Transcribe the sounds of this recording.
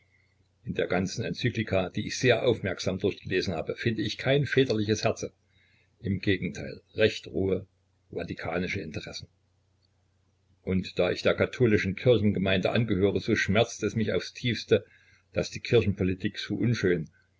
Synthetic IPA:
ʔɪndeːɐɡant͡sn̩ɛnt͡syːklikʰaːd̥iːɪçz̥eːɐʔa̰ʊfmɛɐkz̥aːmdʊɐçɡ̥əleːzn̩ha̰ːbəfɪndəɪçkʰaɪnfɛːtɐlɪçəshɛɐt͡sə | ʔɪmɡ̥eːɡŋ̩tʰaɪlʁɛçtʁuːə | vatikʰaːnɪʃəɪntəʁɛsn̩ | ʔʊntd̥aːʔɪçd̥eːɐkatʰoːlɪʃn̩kʰɪɐçn̩ɡəmaɪndə̰ʔa̰nɡəhøːʁ̞əzoːʃmɛɐt͡stɛsmɪça̰ʊfstʰiːfstə | d̥asd̥iːkʰɪɐçn̩pʰɔlitʰiːkz̥oːʔʊnʃøːn

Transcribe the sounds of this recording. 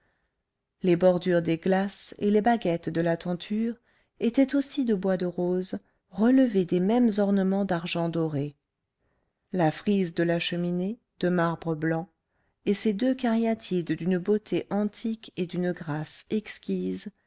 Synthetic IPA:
lebɔʁd̪yʁd̪eɡlasḛlebaɡʲɛt̪d̪əlat̪ɑ̃t̪ʰyʁ | et̪ɛt̪osid̪əbwad̪əʁoz | ʁələved̪emɛmzɔʁnəmɑ̃d̪aʁʒɑ̃d̪ɔʁe | lafχizd̪əlaʃəmine | d̪̥əmaʁbʁəblɑ̃ | esed̪økaʁjat̪ʰid̪d̪ynbot̪ʰeʔɑ̃t̪ʰiked̪ynɡʁasɛkskʲiz

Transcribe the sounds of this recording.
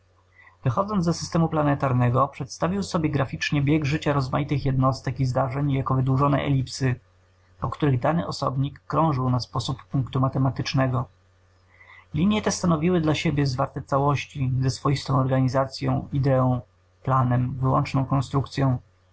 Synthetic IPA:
vɘxɔd̪zɔnd̪ɔsɘ̥st̪ɛmuplanɛt̪aɾnɛɡɔpʂɛt̪st̪avʲiwsɔbʲjɛɡɾafʲit͡ʂɲɛbʲjɛɡʐɘt͡ɕaɾɔzmajit̪ɘxjɛd̪nɔst̪ɛkizd̪aʐɛɲjakɔvɘd̪wuʐɔnɛ̰ʔɛ̰lʲipsɘ | pɔkt̪uɾɘɣd̪anɘʔɔsɔ̰bɲikːɾɔ̃w̃ʐɘwnaspɔsupːuŋkt̪umat̪ɛmat̪ɘt͡ʂnɛɡɔ | lʲiɲjɛt̪ɛst̪anɔvʲiwɘd̪laɕebʲjɛzvaɾt̪ɛt̪sawɔɕt͡ɕizɛsfɔjist̪ɔ̃w̃ɔɾɡaɲizat̪sʲjɔ̰̃w̃id̪ɛɔ̃w̃ | planɛmvɘwɔ̰nt͡ʂnɔ̃w̃kɔnst̪ɾukt̪sʲjɔ̃w̃

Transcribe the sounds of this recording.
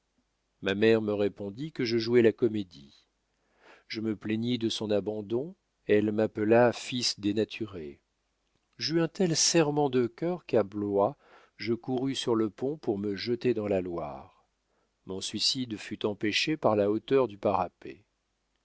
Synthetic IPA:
mamɛʁməʁepɔ̃d̪ikəʒəʒuɛlakɔmed̪i | ʒ̥əməpleɲid̪əsɔ̃nabɑ̃d̪ɔ̃ | ɛlmapəlafisd̪enat̪ʰyʁe | ʒyɛ̃t̪ɛlsɛʁmɑ̃d̪əkʲœʁkablwa | ʒəkuʁysyʁləpɔ̃puʁməʒət̪ed̪ɑ̃lalwa̰ːʁ | mɔ̃sɥisid̪fyt̪ɑ̃peʃepaʁlaot̪œʁd̪ypaʁapḛ

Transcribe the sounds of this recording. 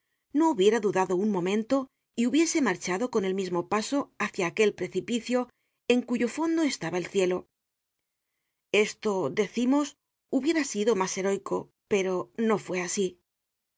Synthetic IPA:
no̞uβje̞ɾaðuðaðo̞uŋmõ̞mẽ̞nt̪o̞ | iuβje̞se̞maɾt͡ʃaðo̞ko̞ne̞lmizmopaso̞aθjaːke̞lpɾe̞θipiθjo̞ | e̞ŋkuʝo̞fo̞nd̪o̞e̞st̪aβae̞lθje̞lo̞ | e̞st̪o̞ðe̞θimo̞s | uβje̞ɾasiðo̞mase̞ɾo̞jkʰo̞̰ | pe̞ɾo̞no̞fwe̞asi

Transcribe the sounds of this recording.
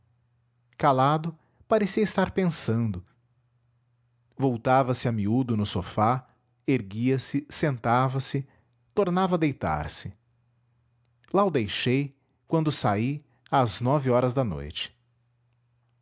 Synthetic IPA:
kalad̪ʊ | paɾesiɐɪst̪aɾpẽsɐ̃nd̪ʊ | vowt̪avɐsɪɐmiud̪ʊnʊsofa | eɾɡiɐsɪsẽnt̪avɐsɪ | t̪oɾnavɐd̪ejt̪a̰ɾsɪ | laʊd̪ejʃej | kwɐ̃nd̪ʊsai | aznɔvɪɔɾɐzd̪ɐno̰jt͡ʃɪ̥

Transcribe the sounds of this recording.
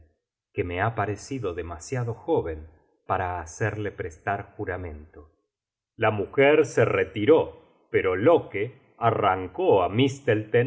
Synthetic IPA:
kemeapaɾesiðoðemasjaðo̞xoβe̞n | paɾaːseɾle̞pɾest̪aɾxuɾamẽ̞nt̪o | lamuxeɾseret̪iɾo | peɾo̞loke | araŋkoamist̪elt̪e

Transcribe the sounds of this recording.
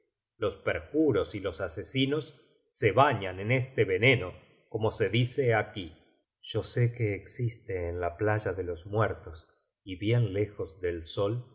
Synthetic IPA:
lo̞speɾxuɾo̞silo̞sasesino̞sː | eβaɲanenest̪eβene̞no̞ | ko̞mo̞se̞ðiseaki | ʒ̥o̞sekeːksist̪eːnlaplaʒaðelo̞zmwɛɾt̪os | iβjenlexozðelso̞l

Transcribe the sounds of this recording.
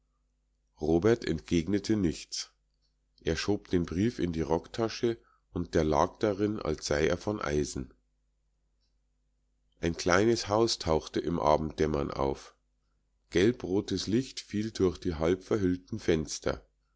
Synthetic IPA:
ʁoːbɛɐtɛ̰ntɡ̥eːɡnətʰənɪçt͡s | ʔeːɐʃoːpd̥eːnbʁiːfɪ̰ndiːʁɔktʰaʃə | ʔʊnt̚d̥eːɐla̰ːk̚d̥aʁɪna̰lsz̥aɪeːɐfɔnʔa̰ɪzn̩ | ʔaɪnkl̥aɪnəshaʊstʰaʊxtəʔɪmʔa̰ːbm̩t̚d̥ɛmɐnʔa̰ʊf | ɡ̥ɛlpʁoːtəslɪçtfiːldʊɐxd̥iːɦalpfɛɐɦʏltn̩fɛnstɐ̰

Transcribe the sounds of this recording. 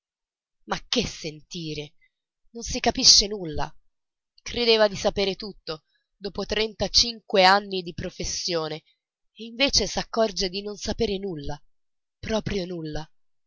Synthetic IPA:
makːesːent̪iːɾe | nonsikapiʃːenulːa̰ | kɾed̪eːvad̪isapeːɾet̪ut̪ːo | d̪oːpot̪ɾɛnt̪at͡ʃiŋkweanːid̪ipɾofesːjoːne | eiɱveːt͡ʃesakːɔrd͡ʒed̪inonsapeːɾenulːa | pɾɔːpɾjonulːa

